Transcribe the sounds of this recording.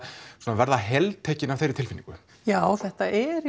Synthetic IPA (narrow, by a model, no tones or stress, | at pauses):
suɔːnavɛɾðaɦɛlt̪ʰɛːcɪnavθejɾɪt̪ɪlfinːĩŋkʏ | jaːwθɛht̪aʔɛɾ